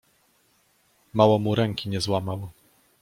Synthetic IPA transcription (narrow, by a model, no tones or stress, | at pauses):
mawɔmuɾɛŋkʲiɲɛzwamaw